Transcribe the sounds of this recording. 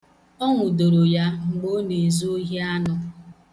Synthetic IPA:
ɔ˦ŋʷʊ˨do˨ɾo˨ja˦ŋ͡m̩˨ɡ͡bo˦ne˨zu˦o˦ɦi˦a˦nʊ˦

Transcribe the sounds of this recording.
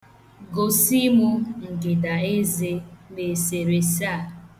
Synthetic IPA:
ɡo˨si˦mu˦ŋ̩˨ɡɪ˨da˨e˦ze˦be˨se˨ɾe˨sa˦˨

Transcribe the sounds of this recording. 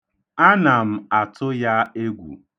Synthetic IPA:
a˦na˨m̩˨a˨tʊ˦ja˦e˦ɡʷṵ˨

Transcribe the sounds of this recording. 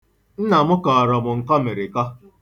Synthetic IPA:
n̩˦na˨mʊ˦kɔː˨ɔ˨ɾɔ˨mʊ˨ŋ̩˨kɔ˦me˨ɾɪ˨kɔ˦

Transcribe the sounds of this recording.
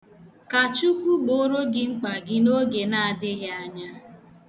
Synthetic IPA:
ka˨t͡ʃu˦kʷu˦ɡ͡bo˦ɾo˦ɡɪ˦ŋ͡m̩˦k͡pa˨ɡɪ˦no˦ɡe˨na˦a˨dɪ˦ɣja˦ɲa˦

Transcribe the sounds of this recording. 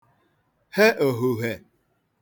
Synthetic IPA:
he˦ʔo˨ɦu˨ɦe˨

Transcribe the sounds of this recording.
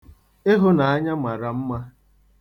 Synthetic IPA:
e˦ɦʊ˦na˨a˦ɲa˦ma˨ɾa˨m̩˦ma˦

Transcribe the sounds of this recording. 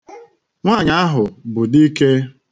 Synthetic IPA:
ŋʷa˦˨ɲa˦a˦ɦʊ˨bʊ˨di˦ke˦

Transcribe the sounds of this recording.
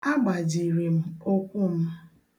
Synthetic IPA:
a˦ɡ͡ba˨d͡ʒi˨ɾe˨m̩˦o˦kʷʊ˦m̩˦

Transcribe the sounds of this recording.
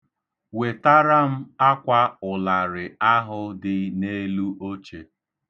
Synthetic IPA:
we˨ta˦ɾa˦m̩˦a˦kʷa˦ʊ˨la˨ɾɪ˨a˦ɦʊ˦dɪ˦ne˦lu˦ʔo˦t͡ʃe˨

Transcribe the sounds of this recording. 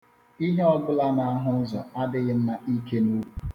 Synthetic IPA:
i˦ɦe˦ɔ˦ɡʊ˦la˦na˨a˦ɦʊ˦n̩˦zɔ̰˨a˦dɪ˦ɣɪ˦n̩˦na˦ʔi˦ke˦nu˦wu˨

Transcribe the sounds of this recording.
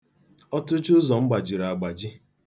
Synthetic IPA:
ɔ˦tʊ˦t͡ʃʊ˦zɔ˨m̩˦ɡ͡ba˨d͡ʒi˨ɾa˨a˨ɡ͡ba˨d͡ʒɪ˦

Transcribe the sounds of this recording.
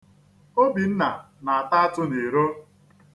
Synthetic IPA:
o˦bi˨n̩˦na̰˨ | na˨a˨ta˦a˦tʊ˦ne˨ɾo˦

